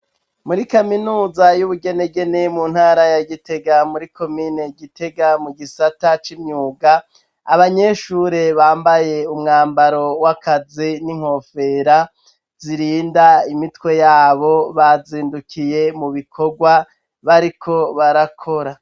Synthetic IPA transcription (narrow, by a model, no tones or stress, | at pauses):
muɾikaminuːzajuβuɡe̞ne̞ɡe̞ne̞mun̥haːɾajaɡite̞ɡamuɾikʰo̞miːne̞ɡite̞ɡamuɡisatat͡ʃimɲuːɡaː | βaɲe̞ʃuɾe̞βaːmbaje̞umŋaːmbaɾo̞wakaziniŋ̥ho̞ːfe̞ɾa | ziɾiːndaimitwe̞jaːβo̞βaziːndukʰije̞muβikʰo̞ɡwa | βaɾikʰo̞βaɾakʰo̞ɾa